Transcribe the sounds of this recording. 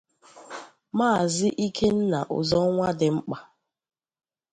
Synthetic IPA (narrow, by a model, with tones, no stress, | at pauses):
maː˦˨zɪ˦ʔi˦kʰe˦n̩˦na˨ʔʊ̰˨zɔ˦ŋʷa˦dɪ˨ŋ͡m̩˦k͡pa˨